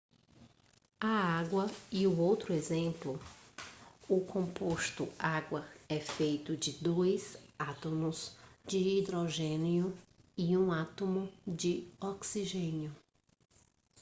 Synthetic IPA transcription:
ɐaɡwɐɪʊowt̪ɾʊezẽmplʊ | ʊkʰõpost̪ʊ̰aɡwɐɛfejt̪ʊd͡ʒɪd̪ojzat̪õmʊz̥d͡ʒɪid̪ɾoʒẽniʊ | ɪũat̪omʊd͡ʒɪɔksiʒẽnjʊ

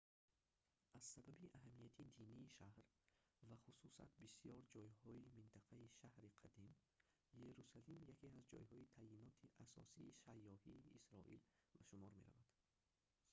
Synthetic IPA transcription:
ʔaz̥sababiʔaɦamːijat̪ʰid̪iniːʃahɾ | vaχususa̰nt̪bisijɔɾd͡ʒɔjhɔimint̪ʰaqʰaiʃahɾiqʰad̪im | je̞ɾusalimjakʰeazd͡ʒɔ̰jhɔit̪ʰainɔt̪ʰiʔasɔ̰siːsajːɔhiːisɾɔ̰ʔḭlvaʃumɔɾme̞̰ɾa̰vad̪̥

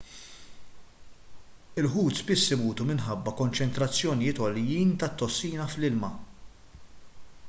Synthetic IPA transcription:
ɪlħuːt̪sbɪsːɪmuːt̪umɪnħɐbːɐkɔnt͡ʃɛnt̪ɾɐt͡sːjɔnɪjɪːt̪ɔljiːnt̪ɐt̪ːɔsːiːnɐflɪlmɐ

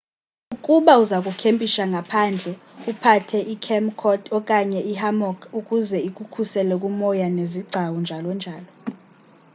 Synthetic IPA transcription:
ukʼuɓauzak̬ʼukʰempʼiʃaŋɡʱapʰaːnd͡ɮʱɛupʰatʰɛʔikʰɛmkʰɔdɔkʼaɲɛʔiɦamɔkʰukʼuzɛikʼukʰusɛlɛk̬ʼumɔjaneziɡ͡ǀʱawund͡ʒʱalɔnd͡ʒʱaːlɔ

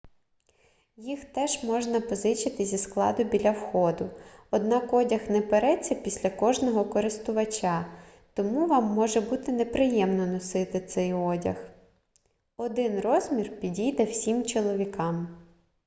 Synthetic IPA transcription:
jixt̪ɛʒmɔʒnɐpɔzɪt͡ʃɪt̪ɪzʲisklˠɑ̰d̪ʊbʲilʲɐwxɔd̪ʊɔd̪nɑkɔdʲɐxnɛpeɾɛt͡sʲːɐpʲisʲlʲɐkɔʒnɔɦɔkɔɾɪst̪ʊʋɐt͡ʃʲa | t̪ɔmuʋɑmːɔʒɛbut̪ɪnepɾɪjɛmnɔnɔsɪt̪ɪt̪sɛjɔdʲɐ̰x | ɔd̪ɪnrɔzmʲirpʲidʲijd̪ɛwsʲimt͡ʃɔlˠɔʋʲikɑm

